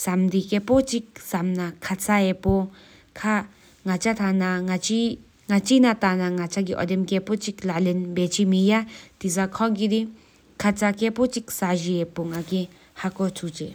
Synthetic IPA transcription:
samd̪ikepɔt͡ʃik̚samnakʰat͡saɛpɔ | kʰa | ŋat͡ʃat̪ʰanaŋat͡ʃi | ŋat͡ʃinatanaŋat͡ʃaɡiʔɔ̰dɛmkɛpɔt͡ʃiklalɛnbet͡ʃʰimijat̪izakʰɔɡidi | kʰat͡sakepɔt͡ʃik̚saʒiɛpɔŋaki | hakɔtʰut͡ʃɛ

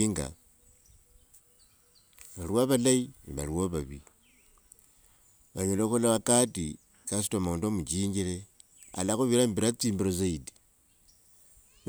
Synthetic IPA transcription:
iŋɡa̰ | βaɾiwaβalainiβa̰ɾiwoβaβi | βaɲoloxolaβakati | kas̬i̥tomondomut͡ʃiːɲɡiɾe | a̰laxoβiɾaːmbiɾat͡siːmbiɾozaidi̥

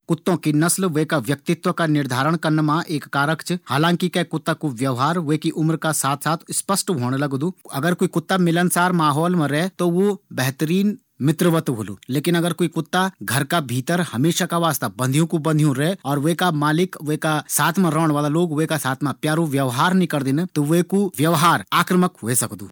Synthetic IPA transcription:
kʊt̪ːõkinɐslʋeɦkaʋjɐk̚t̪ɪt̪ʋəkanɪɾd̪ʱaːɾəɽ̃kɐɾnmãʔeːkːaːɾəkt͡ʃhaːlãːŋkikɛkʊt̪ːakuʋjɐʋɦaːɾʋekiʔʊmɾkasaːt̪ʰsaːt̪ʰspəsʈɦoːñlɐɡd̪uːɐɡəɾkoːikʊt̪ːamɪlənsaːɾmaːɦɔːlmãɾɛɦt̪oʋobɛɦt̪əɾiːn | mɪt̪ɾəʋət̪ɦolṵːleːkɪnɐɡəɾkoːikʊt̪ːaɡʱɐɾkabʱiːt̪əɾhɐmeːʃakaʋaːst̪abɐ̃nd̪ʱijõkubɐ̃nd̪ʱijõɾɛɦɔːɾʋeekamaːlɪkʋoekasaːt̪ʰmãɾɔːɽ̃ʋaːlaloːɡʋoekasaːt̪ʰmãpjaːɾũʋjɐʋɦaːɾnĩkɐɾd̪ɪnet̪oʋekuʋjɐʋɦaːɾaːkɾəməkɦoesɐkd̪ṵː

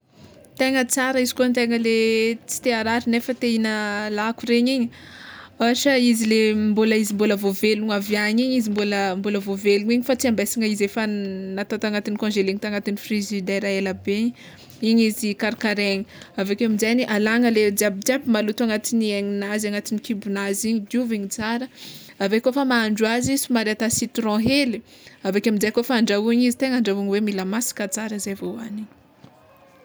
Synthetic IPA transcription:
t̪eŋət͡saɾəizi̥kuant̪eŋəlet͡si̥t̪eaɾaɾinefət̪einəlakuɾeɲiɲi | aʃəizilemboləizimboləvoveluŋavjaɲiɲizimboləmboləvoveluɲiɲifat͡siambesiŋəizefənat̪ot̪aŋat̪inikɔ̃ʒeliŋit̪aŋat̪inifrizid̪ajɾaelabeɲi | iɲizikaɾkaɾeɲi̥avekʲamizajniʔalaŋəled͡zabid͡ʒabimalut̪uaŋat̪inieŋinazaŋat̪inikibunaziɲid̪uviɲit͡saɾə | avekofamaːɳɖ͡ʐuazisumaɾeat̪asit̪uɾɔ̃ɦeliavekʲamizajkofaːɳɖ͡ʐauɲizi̥t̪eŋaɳɖ͡ʐauɲiwemilamasi̥kat͡saɾəzevoaniɲ

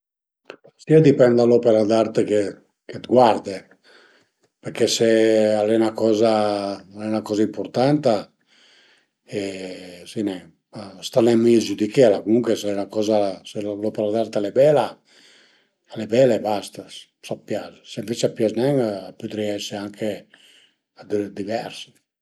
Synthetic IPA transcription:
siad̪ipɛnd̪alopeɾad̪art̪eke | ket̪ɡwaɾd̪e | peɾkesealɛnakɔːzaalɛnakɔːzaimpoɾt̪ant̪a | esinɛ | ast̪anɛmizud̪ikelakumuŋkesɛnakɔːzaselopeɾad̪aɾt̪alebɛla | alebɛlebast̪as | sapːjazsemvit͡ʃapjaznɛŋapyd̪ɾiɛseaŋkʰe | ad̪d̪ivɛɾs

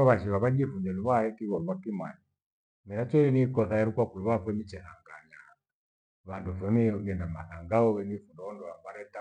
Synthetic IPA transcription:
ɔβaʃiβaβad͡ʒifuɲd͡ʒɛluβaɛkiβɔluβakima̰ji | minat͡ʃɔɛnikɔθajɛɾukwakuluβafwɛmit͡ʃɛhaŋɡaɲa | βandufɛmiɡɛndama̰θaŋɡaɔɛnifundɔɔndɔwabaɾɛta

